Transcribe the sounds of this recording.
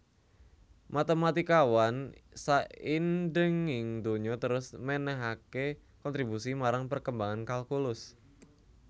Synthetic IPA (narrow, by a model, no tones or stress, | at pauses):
mat̪emat̪ikawansaindəŋɪŋd̪oɲɔt̪əɾʊsmɛnɛɦake | kɔnt̪ɾibusimaɾaŋpərkəmbaŋankalkulʊs